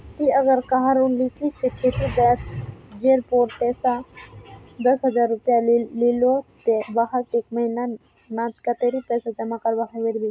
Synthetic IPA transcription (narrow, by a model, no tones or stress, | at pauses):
t̪iəɡəɾkaɦəɾunlikiseʈʰeɾibɛt̪d͡ʒeɾpoɾpɛsa | d̪əsɦəd͡ʒaɾːupjalilot̪ebaɦəkekməɦina | nãt̪kat̪eɾipɛsad͡ʒəmakəɾbakʰəbeɾbi